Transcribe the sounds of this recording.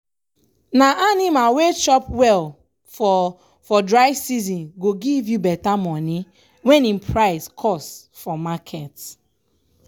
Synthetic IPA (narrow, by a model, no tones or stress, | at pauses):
naʔanimawet͡ʃɔpwɛl | fɔ | fɔdɹaɪvsizɔ̃nɡoɡivjubɛtamɔ̃ni | wɛ̃nĩnpʰɹaɪskʰɔs | fɔmakʰɛt